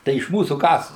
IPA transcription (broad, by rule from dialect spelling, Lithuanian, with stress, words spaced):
ˈtɐɪ ɪʃ ˈmuːsuː ˈkɐs